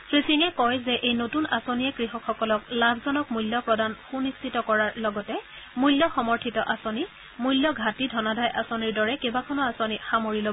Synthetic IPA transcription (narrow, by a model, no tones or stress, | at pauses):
pɹisiŋɛkɔjzɛʔejnotunasoniɛkɹiɦɔkxɔkɔlɔk̚labʱzɔnɔkmuljɔpɹɔdanxunistʰitɔkɔɹaɹlɔɡɔtɛ | muljɔxɔmɔɹtʰitɔʔasoni | mujljɔɡʱatidʱɔnadʱajʔasoniɹdɔɹɛkebakʰɔnɔasonixamoɹilo